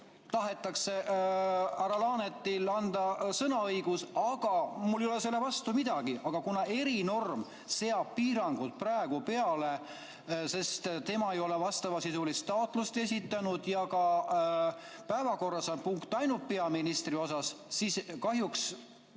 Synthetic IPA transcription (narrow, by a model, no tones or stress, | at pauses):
t̪ɑɦe̞t̪ːˑɑkse̞ | æɾɑlɑːne̞t̪ːˑilɑnd̪̥ɑsɤnɑɤjɡ̥usɑɡ̥ɑmuljolese̞lːe̞vɑst̪umid̪̥ɑɡ̥iʔɑɡ̥ɑkunɑe̞ɾino̞rm | se̞ɑb̥̚piːɾɑŋɡ̥ut̪̚prɑeɡ̥upe̞ɑle̞ | se̞st̪t̪e̞mɑe̞jo̞le̞vɑst̪ɑvɑsisulist̪ːɑot̪ˑlust̪e̞s̬ʲit̪ːˑɑnud̪̥jɑkɑ | pæevɑko̞rːɑsɑnpuŋkt̪ːˑɑjnupeɑminist̪ɾio̞sɑssiːskɑɦjuks